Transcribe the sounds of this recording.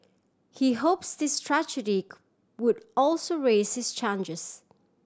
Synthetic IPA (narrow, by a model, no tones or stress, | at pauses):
hiɦoʊpsðɪstʰɹ̥ad͡ʒɨɾik | wədɔlˠsoʊɹeɪz̥hɪz̥t͡ʃʰãnd͡ʒɪz̥